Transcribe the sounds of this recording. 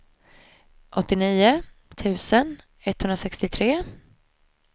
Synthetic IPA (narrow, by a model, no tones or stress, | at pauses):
ʔɔt̪ːɪniːʊt̪ʰʉ̟ːsən | ɛt̪ːhɵnɾasɛkst̪ɪt̪ʰɾeː